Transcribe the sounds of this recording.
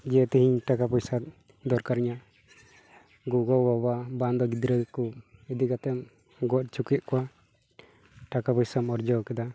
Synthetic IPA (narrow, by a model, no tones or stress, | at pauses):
d͡ʒɛɛt̪ɛhiɲʈakapɔjsat̪̚ | d̪ɔɾkaɾɲa | ɡuɡɔbababand̪ɔɡid̪ɾəkuɛd̪iɡat̪ɛm | ɡɔʔ̪̚t͡ʃukɛʔ̪̚kɔwa | ʈakapɔjsamɔɾd͡ʒɔkɛd̪a